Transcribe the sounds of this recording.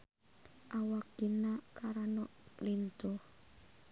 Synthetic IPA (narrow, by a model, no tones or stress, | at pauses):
ʔawakinakaɾanɔʔlind̪̥ɔ